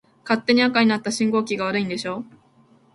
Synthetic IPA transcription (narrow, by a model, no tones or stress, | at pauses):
kat̪ːe̞ɲ̟iakaɲ̟inat̪ːaɕĩŋɡo̞ːkʲiɡaβ̞aɾɯ̟ĩnd̪e̞ɕo̞ː